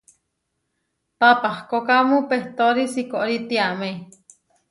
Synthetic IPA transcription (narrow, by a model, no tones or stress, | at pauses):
papahkokamũpeht̪oɾisikoʔɾit̪iame